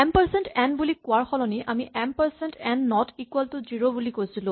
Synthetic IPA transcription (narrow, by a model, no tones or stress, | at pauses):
ɛmpəɹsɛntɛnbulikʊaɹxɔlɔniʔamiʔɛmpɛɹsɛntɛnːɔtikuwɛltʊziɹobulikojsilʊ̃